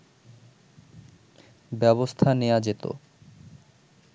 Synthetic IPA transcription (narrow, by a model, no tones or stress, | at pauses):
bɛbost̪ʰanejad͡ʑet̪o̰